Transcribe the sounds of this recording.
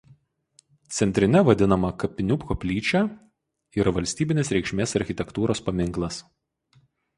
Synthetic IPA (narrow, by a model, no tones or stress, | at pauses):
t̪sʲɛnʲt̪ʲɾʲɪnʲɛʋɐd̪ʲɪnɐmɐkɐpʲɪnʲʊpkopʲlʲiːt͡ʃʲæˑ | ɪɾʋɐlʲsʲt̪ʲiːbʲɪnʲeːsɾʲɛɪʃʲmʲeːsɐɾʲxʲɪt̪ʲɛkt̪uːɾoːspɐmʲɪŋˑklˠɐs